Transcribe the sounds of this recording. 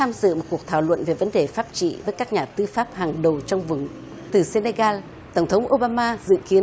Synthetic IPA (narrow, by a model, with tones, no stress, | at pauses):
t̪ʰaː˧mzɨ̰˧˨mo˨˩t̚ku˨˩ək̚t̪ʰaː˧˩wlwə̰˧˨nve˨˩və˨˦nɗe˨˩faː˦˥p̚t͡ɕḭ˧˨vəː˨˦jka˦˥k̚ɲaː˨˩t̪ɨ˧faː˦˥p̚haː˨˩ŋɗə˨˩wt͡ɕɔ˧wŋ͡mvɨ˨˩ŋ | t̪ɨ˨˩se˧ne˧ɣaː˧l | t̪ə˧˩wŋ͡mt̪ʰə˨˦wŋ͡mʔo˧ɓaː˧maː˧zɨ̰˧˨ki˨˦ə